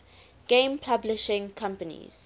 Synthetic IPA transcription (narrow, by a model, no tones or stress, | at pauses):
ɡ̥ẽmpʰablɪʃɪ̃ŋkʰãmpənḭz̥